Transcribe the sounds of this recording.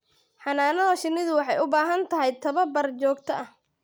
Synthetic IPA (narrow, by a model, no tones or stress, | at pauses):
ħɑnaːnɐðɐʃɪnɪðʊwɑħɑjʊbaːɦɐnt̪ʰɐɦɛjt̪ʰɐβɐbɐrt͡ʃɔːɡ̚t̪ʰɐʔɐh